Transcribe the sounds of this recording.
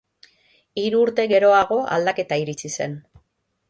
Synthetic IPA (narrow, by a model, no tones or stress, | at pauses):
iɾuːɾt̪e̞ɣe̞ɾo̞aɣ̞o̞ʔa̰ld̪ake̞t̪aiɾit͡sise̞n